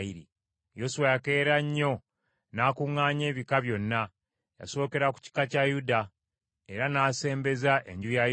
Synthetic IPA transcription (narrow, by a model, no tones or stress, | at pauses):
iɾḭ | jo̞suwajake̞ːɾaɲːo̞ | naːkuŋːaːɲe̞ːβikaβjo̞nːa | ja̰so̞ːke̞ɾaku̥ci̥kacajuda | e̞ɾanaːse̞ːmbe̞zaʔeɲɟuja